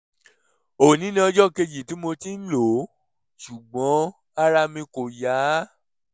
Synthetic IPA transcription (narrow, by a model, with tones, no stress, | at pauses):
o˨nĩ˨˦nĩ˧ɔ˧d͡ʒɔ˦ke˧d͡ʒi˨ti˨˦mo˧ti˦n̩˦lo˨˦ | ʃu˨ɡ͡bɔ̃˨˦ | a˧ɾa˧mĩ˧ko˨ja˨˦